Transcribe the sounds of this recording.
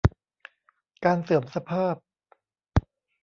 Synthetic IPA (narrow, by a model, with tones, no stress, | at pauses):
kaː˧nsɤː˨˩˦msa˧pʰaː˥˩p̚